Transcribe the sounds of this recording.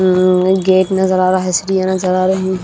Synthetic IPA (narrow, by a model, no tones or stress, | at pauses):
ɡeːʈnɐzɐɾaːɾaɦɪsɾijanɐzɐɾaːɾeɦĩː